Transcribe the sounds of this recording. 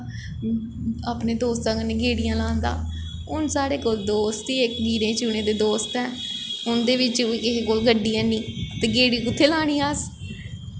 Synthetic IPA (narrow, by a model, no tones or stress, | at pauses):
aːpnẽːd̪oːst̪ãːkənːẽːɡeːɽɪjãːlaːnd̪a̰ː | ʊnsaːɽeːkoːld̪oːst̪iːekɡiːɾẽːt͡ʃuːnẽːd̪eːd̪oːst̪ɛːʊnd̪eːʋɪt͡ʃʊiːkɪɦekoːlɡəɖːiːɛ̃ːniːt̪eːɡeːɽiːkʊt̪ʰːeːlaːɽ̃iːaːs